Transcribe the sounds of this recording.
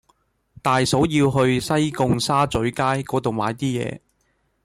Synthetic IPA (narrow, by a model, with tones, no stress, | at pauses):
t̪aː˨jso˨˥wjiː˧wɦɵ˧ɥsɐ˥jkʊ˧ŋsaː˥t͡sɵ˨˥ɥkaː˥jkɔː˨˥t̪o˨wma̰ː˨˧jt̪iː˥jɛ̰ː˨˧